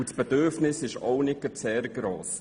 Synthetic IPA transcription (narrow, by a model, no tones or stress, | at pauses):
usb̥ɛdʏɾfnɪsɪʃɔwnɪkət͡sɛːɾɡ̥ɾoːs